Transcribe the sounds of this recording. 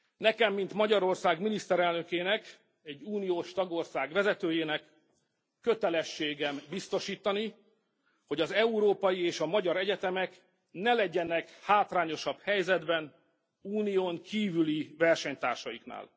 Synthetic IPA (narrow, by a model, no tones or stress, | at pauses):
nɛkɛmːint̪mɒɟɒɾo̞rsaːɡminist̪ɛɾɛlnø̞keːnɛk | ɛɟːuːnijoːʃt̪ɒɡo̞rsaːɡʋɛzɛt̪øːjeːnɛkː | øt̪ɛlɛʃːeːɡɛmbist̪o̞ʃiːt̪ɒni | ho̞ɟɒzɛuɾoːpɒjieːʃɒmɒɟɒɾɛɟɛt̪ɛmɛk | nɛlɛɟɛnɛkhaːt̪raːɲo̞ʃɒbhɛjzɛd̪bɛn | uːnijoːŋkiːvylivɛrʃɛɲt̪a̰ːrʃɒjikna̰ːl